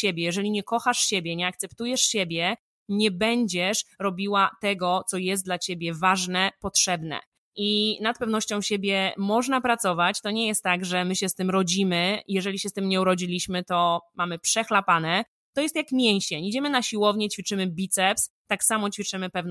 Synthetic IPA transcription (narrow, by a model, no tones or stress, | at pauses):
ɕebʲjɛjɛʐɛlʲiɲɛkɔxaʂɕebʲjɛɲɛak̚t̪sɛpt̪ujɛʂɕebʲjɛ | ɲɛbɛɲd͡ʑɛʂɾɔbʲiwat̪ɛɡɔt̪sɔjɛst̪d̪lat͡ɕebʲjɛvaʐnɛpɔtʂɛbnɛ̰ | ʔinat̪̚pɛvn̪ɔɕt͡ɕɔ̃w̃ɕebʲjɛmɔʐnapɾat̪sɔvat͡ɕt̪ɔɲɛjɛst̪ːaɡʐɛmɘɕɛst̪ɘmɾɔd͡ʑimɘjɛʐɛlʲiɕɛst̪ɘmɲɛuɾɔd͡ʑilʲiɕmɘt̪ɔmamɘpʂɛxlapanɛ | t̪ɔjɛst̪jakmʲjɛɲ̃ɕeɲid͡ʑɛmɘnaɕiwɔvɲɛt͡ɕfʲit͡ʂɘmɘbʲit̪sɛps | t̪aksamɔt͡ɕfʲit͡ʂɘmɘpɛvn